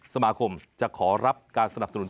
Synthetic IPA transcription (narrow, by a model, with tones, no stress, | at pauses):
sa˧maː˧kʰo˧mt͡ɕa˨˩kʰɔː˩˦ɾa˦˥p̚kaː˧nsa˧n˨˩p̚sa˧nu˩˦n